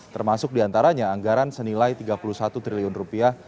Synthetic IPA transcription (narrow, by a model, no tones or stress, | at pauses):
t̪ərmasʊk̚diant̪aɾaɲaːŋɡaɾansənilajt̪iɡapulusat̪ut̪ɾiliʊnrupiah